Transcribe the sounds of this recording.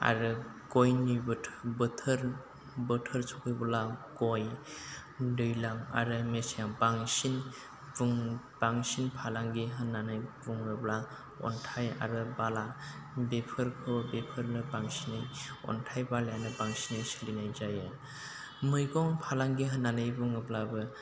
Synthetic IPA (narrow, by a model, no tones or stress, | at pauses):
a̰ɾɯ | ɡɔjnɯjbʰbɯtʰɯɾ | bɯtʰɯɾsʰɔkʰɯjbɯlaɡɔj | dɯjlaŋa̰ɾɯmesaaŋbaŋsin | buŋ | baŋsinpʰalaŋɡiɦɯnːanɯjbuŋɯbla | ɔ̰ntʰaja̰ɾɯbala | bepʰɯɾkʰɯbepʰɯɾnɯbaŋsinɯjɔ̰ntʰajbaljanɯbaŋsinɯjsilinajzajɯ | mɯjɡɔŋpʰalaŋɡiɦɯnanɯjbuŋɯblabɯ